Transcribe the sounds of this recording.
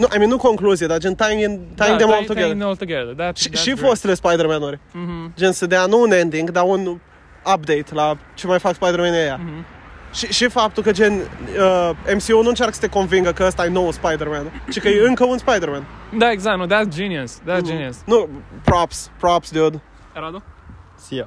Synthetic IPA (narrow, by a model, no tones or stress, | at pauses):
nuʔa̰jmĩnːnukõŋkluzied̪ad͡ʒɛ̃nt̪ajŋint̪ãj̃ŋd̪ẽmɔlˠt̪uɡɛðəolt̪ɡɛðədæʃi̥ifost̪lespajd̪eɾmɛ̃noɾd͡ʒɛnsəd̪eanuunẽnd̪ĩŋɡd̪aun | ap̚d̪ejt̪lat͡ʃemajfakspajd̪eɾmɛ̃neja | ʃiʃifap̚t̪ukəd͡ʒenəẽmsionũɨnt͡ʃaɾkə̥sə̥t̪ekõnviŋɡəkəəst̪ajnowspajd̪eɾmɛ̃nt͡ʃikəjɨŋkəũnspajd̪eɾmɛ̃nd̪aeɡzak̚noðætsd͡ʒiniəsd̪ætsd͡ʒinisnupɾɔpspɾɔpsd̪ud̪ | ɾad̪ | s